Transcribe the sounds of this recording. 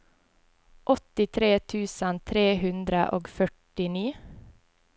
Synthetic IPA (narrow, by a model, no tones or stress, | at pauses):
ʔɔt̪ɪt̪ʰɾeːt̪ʰʉːsənt̪ʰɾeːhʉnd̪ɾəʔoːɡfœʈɪniː